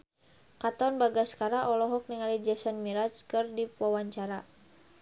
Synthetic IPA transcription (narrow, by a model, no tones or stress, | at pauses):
kat̪ɔnbaɡaskaɾaʔɔlɔɦɔk̚niŋalid͡ʒasɔnmiɾat͡ʃkɨrdipwawaɲt͡ʃaɾa